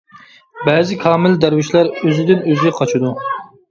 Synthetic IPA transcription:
bɛːzɪkʲʰɑːmɪld̪æɾwɪʃlæɾøzɪd̪ɪnøzʲɛqʰɑt͡ʃʰud̪u

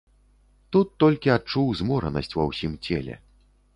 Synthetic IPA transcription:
t̪ut̪ːɔlʲkʲiat͡ʂuwzʲmɔɾɐ̰nɐsʲt͡sʲvɐwsʲimt͡sʲɛlʲɛ̰

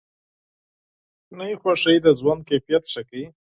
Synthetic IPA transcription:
najixwaʂəjd̪əzwand̪̚kefijat̪ʂakai

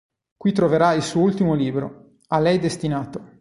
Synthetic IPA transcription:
kwit̪ɾoveɾailsuːoult̪imoliːbɾo̰ | alɛjd̪est̪inaːt̪o

